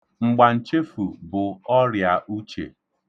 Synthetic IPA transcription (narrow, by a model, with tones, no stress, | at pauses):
ŋ͡m̩˨ɡ͡ba˨n̩˨t͡ʃe˦fu˨bʊ˨ɔ˦ɾja˨ʔu˦t͡ʃḛ˨